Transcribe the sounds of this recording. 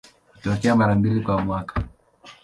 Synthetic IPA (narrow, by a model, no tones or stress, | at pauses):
hu̥tɔkɛamaɾambilikwamwakḁ